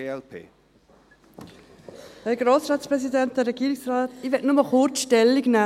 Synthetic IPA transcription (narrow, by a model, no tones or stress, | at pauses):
ɛpʰḛː | hɛɡɾoːsɾɑːtspɾɛsidɛnt̚d̥əɾɛɡ̥iːɾiksɾɑːtiʋɛtnʊməχʊɾtʃtɛlːiɡna